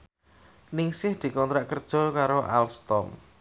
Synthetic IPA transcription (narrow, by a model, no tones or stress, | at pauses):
nɪŋsɪhd̪̥i̤kɔnt̪ɾaʔkərd̥ʒ̥ɔ̤kaɾoʔa̰lst̪ɔm